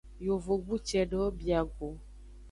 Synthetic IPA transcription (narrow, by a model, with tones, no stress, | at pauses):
jo˨vo˨ɡ͡bu˦t͡ʃɛ˨ɖɔ˦bi˨a˨ɡo˨